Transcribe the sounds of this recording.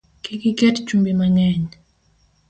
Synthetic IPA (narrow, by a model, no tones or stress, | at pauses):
kikikɛtt͡ʃumbimaŋɛɲ